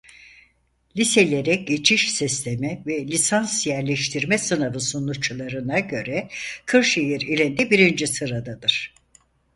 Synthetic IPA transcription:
lʲise̞lʲe̞ɾɛɟe̞t͡ʃʰiʃsist̪ʰemɛvɛlʲisansjæɾlʲɛʃt̪ʰiɾmɛsɯnavɯsonut͡ʃʰlˠaɾɯnaɟø̞ɾɛkʰɯɾʃejiɾilʲind̪ɛbiɾind͡ʒisɯɾad̪ad̪ɯɾ̥

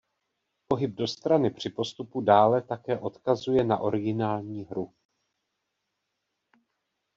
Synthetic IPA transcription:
po̞ɦɪb̚do̞st̪ɾanɪpr̝̥ɪpo̞st̪upudaːlɛt̪akɛːʔo̞t̪kazujɛnaʔo̞ɾɪɡɪnaːlɲiːɦɾu

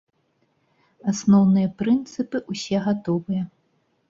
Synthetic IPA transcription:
asnɔwnɨjɐpɾɨnt̪sɨpɨʔusʲɛɣat̪ɔvɨjɐ

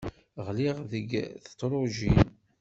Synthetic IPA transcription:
ʁliʁðəɡθə̥t̪ːˤɾˤʊʒin

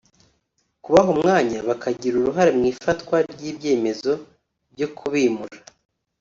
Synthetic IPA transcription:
kuβaɦumŋaːɲaβakʰaɟiɾuɾuɦaɾemŋiːfatkwaɾɟiːbɟe̞ːme̞zo̞ | bɟo̞kʰuβiːmuɾa

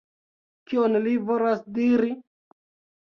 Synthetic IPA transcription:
kionlivolasdiɾi

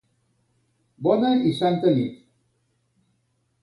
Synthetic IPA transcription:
bɔnaisant̪əlḭt̪

